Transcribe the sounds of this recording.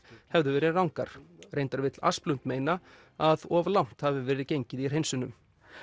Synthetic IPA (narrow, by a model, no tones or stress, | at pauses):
hɛvðʏvɛːɾɪrawŋkaɾ̥rejnt̪aɾvɪt̪la̰splʏnt̪meːjna | aðɔvlawm̥t̪havɪvɛːɾɪcejɲcɪðir̥ɦejnsʏnʏm